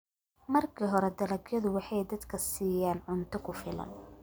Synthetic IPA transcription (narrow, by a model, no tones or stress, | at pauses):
mɐrkʰiːɦɔɾɛd̪ɐlɐɡjɐðʊwɑħɑjd̪ɐd̪kʰɐsiːjaːnʕʊnt̪ʰɐkʰʊfɪlɐ̰n